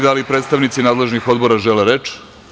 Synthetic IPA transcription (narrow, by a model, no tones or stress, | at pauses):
d̪alipɾe̞ːt̪st̪aʋnit̪sinaːd̪le̞ʒnixo̞d̪bo̞ɾaʒeleɾet͡ʃ